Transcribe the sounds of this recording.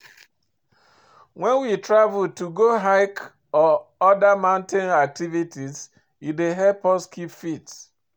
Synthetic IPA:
wɛ̃nwitɾavʊltuɡoɦaɪk | ɔɔdamãʊ̃ntẽnak̚tivitiz | ideɦɛpɔskipfits

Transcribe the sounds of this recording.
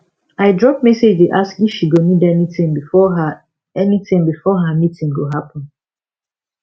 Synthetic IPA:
aɪdɹɔp̚mɛsed͡ʒdeʔaskifʃiɡonidɛnitĩmbiɔ | ɛnitĩŋbifɔɦamitĩŋɡoɦapɔ̃n

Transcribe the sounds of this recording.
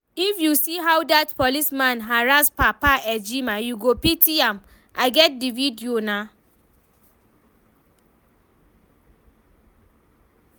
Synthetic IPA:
ifjusiɦawdatpɔlismãnɦaɹaspapaɛd͡ʒimãjuɡopitiãm | ʔaɪɡɛt̚dividiona

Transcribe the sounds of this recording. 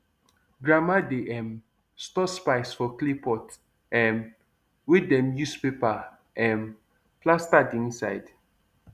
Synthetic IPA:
ɡɹamadeʔɛ̃m | stɔspaɪsfɔklipɔt | ɛ̃m | widɛ̃mjuspepa | ɛ̃m | plastadiĩnsaɪd

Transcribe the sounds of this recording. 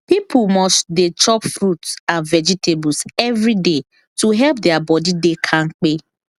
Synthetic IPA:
pipʰʊlmɔstdet͡ʃɔpfɾutsãnvɛd͡ʒitʰebʊlsɛvɾide | tuɦɛlp̚dɛabɔdidekʰaŋ̩k͡pe

